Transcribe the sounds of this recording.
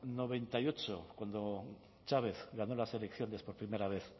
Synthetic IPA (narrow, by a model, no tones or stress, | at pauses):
no̞β̞e̞nt̪ajo̞t͡ʃo̞kwand̪o | t͡ʃaβe̞θɡɣano̞lase̞lekθjo̞ne̞spo̞ɾpɾime̞ɾaβ̞e̞θ